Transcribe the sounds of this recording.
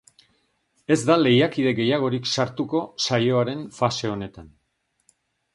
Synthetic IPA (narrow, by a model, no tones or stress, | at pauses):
e̞zd̪ale̞jakið̞e̞ɣe̞jaɣ̞o̞ɾiksaɾt̪uko̞sajo̞aɾe̞nfase̞o̞ne̞t̪an